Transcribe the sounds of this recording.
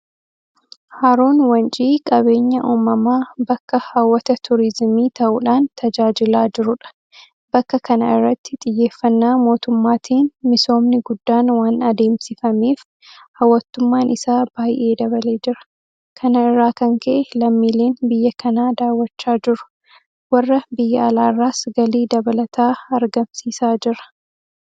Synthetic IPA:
haːɾo̞ːnwɐnt͡ʃʼiːkʼɐβe̞ːɲːɐʔoːmɐmaːbɐkːɐhaːwːɐt̪ɐt̪ʰʊɾɪzmiːt̪ɐʔʊᶑaːnt̪ʰɐd͡ʒaːd͡ʒɪlaːd͡ʒɪɾʊᶑɐ̥ | b̥ɐkːɐkɐnɐɪrːɐt̪ːɪ̥t̪ʼɪjːe̞ːfːɐnːaːmo̞ːt̪ʊmːaːt̪ʰiːnmɪso̞ːmnɪɡʊd̪ːaːnwaːnɐd̪e̞ːmsɪfɐmeːf | hɐwːɐt̪ːʊmːaːnʔɪsaːb̥aːjʔe̞ːd̪ɐβɐle̞ːd͡ʒɪɾɐ̥ | kʰɐnɐɪrːaːkɐŋkʰɐʔɛlɐmːiːle̞ːnbɪjːɐkʰɐnaːd̪aːwːɐt͡ʃːaːd͡ʒɪɾʊ̥ | wɐrːɐbɪjːɐɐlaːrːaːsɡɐliːd̪ɐbɐlɐt̪ʰaːɐɾɡɐmsiːsaːd͡ʒɪɾɐ̥

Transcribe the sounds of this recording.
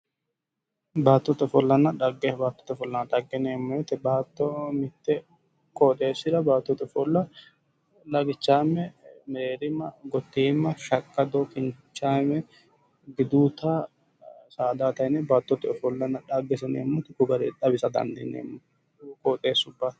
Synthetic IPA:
baːt̪ːɔt̪ːɛfɔlːɐnːɐᶑɐɡːebaːt̪ːɔ̥t̪ːɛfɔlːɐnɐᶑ̪ɐɡːɛneːmːɔjɛt̪ːɛbaːt̪ːɔmɪt̪ːɛ | kʼoːt̪ʼe̞ːsːɪd̪ɐbaːt̪ːɔt̪ːɛfɔlːɐ | lɐɡɪt͡ʃːaːmːɛmɛɾeːɾɪmːɐɡɔt̪ːiːmːɐʃɐkʼːɐd̪okɪnt͡ʃːaːmɛ | ɡɪd̪uːt̪a | saːd̪aːt̪ɐjnebaːt̪ːɔt̪ːɛɔfɔlːɐnːɐᶑaɡːɛsɛneːmːɔt̪ːɪkʊɡɐɾɛᶑ̪ɐbɪsɐd̪ɐ̰nd̪ɪnḛːmːɔ | kʼoːt̪ʼeːsːʊbːa

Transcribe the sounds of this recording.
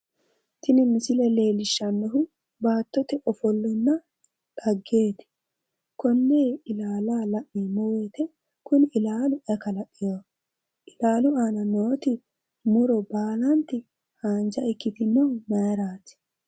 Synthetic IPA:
t̪ɪnɪmɪsɪlɛle̞ːlɪʃːɐnːɔɦʊ | baːt̪ːɔt̪ɛʔɔfɔlːɔnːɐ | ᶑɐɡːe̞ːt̪ɪ̥ | kɔnːeːɪlaːlaːlɐʔːiːmɔweːt̪ɛ | kʊnɪɪlaːlʊʔɐkɐlɐʔʼːɪjoː | ʔɪlaːlʊaːnɐnoːt̪ɪ | mʊɾɔbaːlɐnt̪ːɪ | haːnd͡ʒɐɪkːɪt̪ɪnːɔwnɐjɾaːt̪ɪ̥

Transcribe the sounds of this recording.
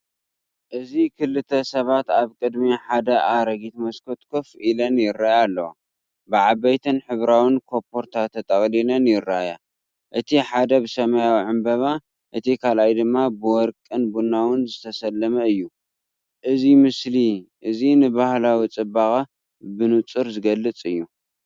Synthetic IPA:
ʔɨzikʰɨlːɨt̪ʰɐsɐβat̪aβkʼɨd̪miħad̪ɐʔaɾɐɡit̪mɐskʰot̪ʼkʰofilɐnjɪɾːajalːɐw̰ | bɨʕaβɐjt̪ʰɨnħɨβɾawɨnkʰo̞pʰo̞ɾt̪ʰat̪ʰɐt̪ʼɐkʼlilɐnjɪɾːaja | ʔɨt̪ʰiħad̪ɐbɨsɐmajawʕɨmbɐβa | ʔɨt̪ʰikʰalajd̪ɨmːabɨwɔɾkʼɨnbunawɨnzɨt̪ʰɐsɐlːɐmɐɨjːu | ʔɨzimɨsliʔɨzinɨbahlawit͡sʼɨbaxʼa | bɨnut͡sʼɨɾzɨɡɐlːɨt͡sʼɨjːu

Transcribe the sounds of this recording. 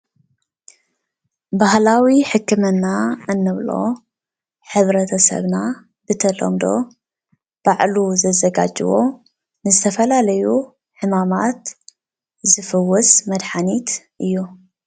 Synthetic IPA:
bahlawiħɨkʰːɨmɐnːaɨnːɨβlo̞̰ | ħɨβɾɐt̪ʰɐsɐ̰βna | bɨt̪ʰɐlo̰md̪o̞̰ | b̥aʕluzɐzɐɡa̰d͡ʒɨwo̞ | nɨzɨt̪ʰɐfɐlalɐju | ħɨmamat̪ | zɨfɨwɔsmɐd̪ħanit̪ʔɨjːu

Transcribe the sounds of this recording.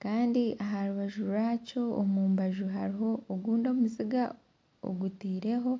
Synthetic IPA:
kaːndiaɦaɾuβaʒuɾaːco̞ːmuːmbaʒuɦaɾiɦo̞ːɡuːndomuziɡa | o̰ɡutiːɾe̞ɦo̞

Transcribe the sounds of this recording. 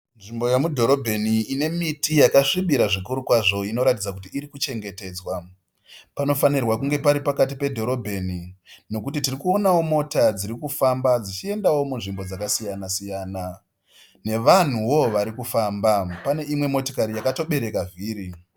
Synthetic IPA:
nʐimbo̞jemudʱo̞ɾo̞bʱe̞niːne̞mitijakaʂiɓiɾaʐikuɾukwaʐo̞ino̞ɾatid͡zakutiːɾikut͡ʃe̞ŋɡe̞te̞ːd͡zwa | pano̞fanirwakuŋɡe̞paɾipakat̬ipe̞dʱo̞ɾo̞bʱe̞nino̞kutitirikuo̞nawo̞mo̞tad͡ziɾikufambad͡zit͡ʃie̞ndawo̞munʐimbo̞d͡zakasijanasijaːna | ne̞ʋan̤uwo̞ʋaɾikufaːmbapane̞ʔimwe̞mo̞tikaɾijakato̞ɓe̞ɾe̞kaviːɾi

